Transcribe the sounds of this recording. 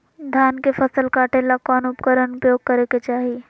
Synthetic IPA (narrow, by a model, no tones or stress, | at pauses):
d̪ʱjaːnkefəsəlkaːʈelakɔːnʊpkəɾənʊpjoːɡ̚kəɾeket͡ʃaːɦi